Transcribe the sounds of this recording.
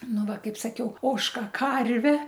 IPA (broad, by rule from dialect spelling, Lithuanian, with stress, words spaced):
ˈnʊ ˈʋɐ kɐɪp sɐˈkʲɛʊ ˈoːʃkɐ ˈkɐrʲʋʲɛ